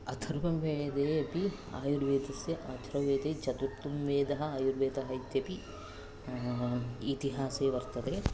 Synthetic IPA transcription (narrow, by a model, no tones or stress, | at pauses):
ɐt̪ʰɐɾʋɐmʋeːd̪eːɐpi | a̰ːjuɾʋeːd̪ɐsjɐʔɐt̪ʰɾɐʋeːd̪eːt͡ʃɐt̪uɾt̪ːumʋeːd̪ɐɦɐaːjuɾʋeːd̪ɐɦɐjt̪ːjɐpi | it̪iɦaːseːʋɐɾt̪ɐd̪e